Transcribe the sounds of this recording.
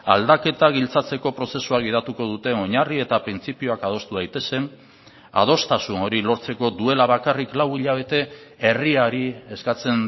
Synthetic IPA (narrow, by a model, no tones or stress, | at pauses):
a̰ld̪ake̞t̪aɣ̞ilt͡sat͡se̞ko̞pɾo̞se̞suaɣ̞ið̞at̪uko̞ðut̪e̞o̞ɲarie̞t̪apɾint͡sipio̞akað̞o̞st̪uðajt̪e̞se̞n | a̰ð̞o̞st̪asuno̞ɾilo̞ɾt͡se̞ko̞d̪ue̞laβ̞akariklawiʎaβ̞e̞t̪e̞e̞riaɾie̞skat͡se̞n